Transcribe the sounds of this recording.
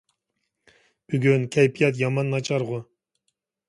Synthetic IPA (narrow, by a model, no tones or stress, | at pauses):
b̥yɡʲynkʲʰæjpʰijɑt̪̬jɑmɑnːɑt͡ʃʰɑɾʁʊ